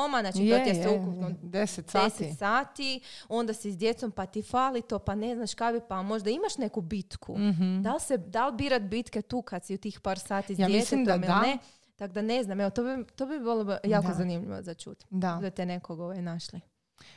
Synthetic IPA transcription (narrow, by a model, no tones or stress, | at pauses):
omanaːt͡ʃit̪ot̪jeseukupnod̪est̪eset̪saːt̪io̞nd̪asizd̪je̞t̪so̞mpat̪ifaːlit̪o̞pane̞znaʃkabipamo̞ʒd̪aimaʃne̞kubit̪kʰṵd̪alsed̪albiːɾat̪bit̪ket̪uːkad̪siut̪iːxpaːɾsaːt̪izdajeeseomilne | t̪akd̪ane̞znameʋot̪obit̪obibilˠojaːkozanimʎḭʋo̰zat͡ʃṵt̪d̪ad̪et̪enekoɡoʋajnaʃli